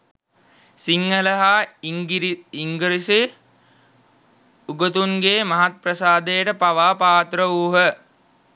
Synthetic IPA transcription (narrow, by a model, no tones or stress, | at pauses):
siŋɡələɦa | iŋɡəɾisi | uɡət̪unɡeːmɐɦat̪̚prɐsaːd̪ejəʈəpaʋaːpaːt̪rəuːɦə